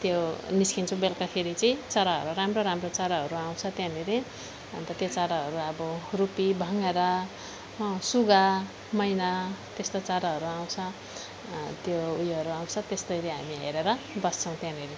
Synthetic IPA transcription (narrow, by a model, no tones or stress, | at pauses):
t̪joniskint͡sʰʌ̃belkapʰeɾit͡sʌĩt͡saɾaɦʌ̰ɾuɾamroɾamrot͡saɾaɦʌɾuaw̃t͡sʰʌt̪jãneɾe | ʌnt̪ʌt̪jot͡saɾaɦʌɾuʌbʌrupibʱʌŋeɾʌ | suɡa | mʌjnat̪est̪ot͡saɾaɦʌɾuaw̃t͡sʰʌ | t̪joujʌɾuaw̃t͡sʰʌt̪est̪ʌɾeɦamiḛɾeɾʌbʌst͡sʰʌw̃t̪jãneɾi